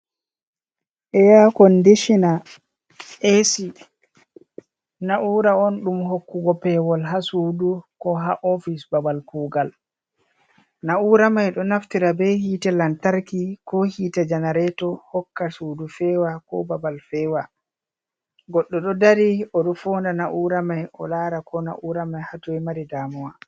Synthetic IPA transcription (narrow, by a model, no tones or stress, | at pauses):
ʔɛjakɔndeʃina | ʔesi | naʔuːɾaɔnɗumhokːuɡɔpɛwɔlɦasuːdukɔɦaʔɔfisbabalkuːɡal | nauɾamajɗɔnaftiɾabɛhiːtɛlantaɾkikɔhiːtad͡ʒanaɾɛtɔhɔkːasuːdufɛwakɔ̰babalfɛwa | ɡɔɗːɔɗɔdaɾiɔɗɔfɔːndanaʔuɾamajʔɔ̰laːɾakʰɔna̰ʔuɾamajhatɔɛmaɾidaːmɔwa